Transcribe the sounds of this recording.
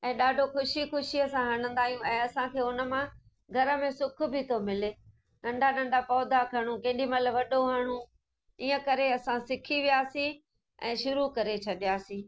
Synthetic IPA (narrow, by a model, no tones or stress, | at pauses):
ɛ̃ːɗaːɖʱoxʊʃixʊʃiəsãɦɐɽ̃ə̃nd̪aːɦijũɛ̃ːɐsãkʰeːʊnə̆mã | ɡʱɐɾə̆mẽsʊkʰʊ̆bɪt̪ʰomɪleː | nɐ̃ɳɖʱanɐ̃ɳɖapɔːd̪akʰɐɽ̃ũkɐ̃ɪ̃ɖimɐt̪ləbʋɐɗoɦaːɽ̃ũ | iːə̃kɐɾeɐsãsɪkʰiʋijaːsĩ | ɛ̰̃ːʃʊɾukɐɾet͡ɕʰɐɗijaːsĩː